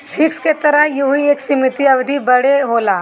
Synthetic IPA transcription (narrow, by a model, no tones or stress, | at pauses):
fʰɪksket̪ɐɾəjuieːksɪmɪt̪iɐʋd̪ʱibɐɽeɦoːlaː